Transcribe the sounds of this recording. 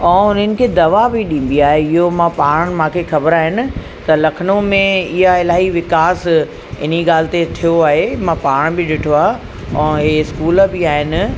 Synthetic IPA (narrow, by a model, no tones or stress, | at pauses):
ɛ̃ːʊnənɪ̆kʰeːd̪ɐʋabɪɗĩːn̆d̪iaːɦeɪɦomãpaːɽ̃mãːkʰexɐbəɾaːɦɪnɪ̆ | t̪ɐlɐkʰənomẽɪɦaɪlaːɦiʋɪkaːs | ɪn̤iɠaːl̤ɪ̆t̪et̪ʰijoaːɦemãpaːɽ̃bɪɗɪʈʰoaː | ɛ̃ːɦeɪskuːlbɪaːɦɪnɪ̆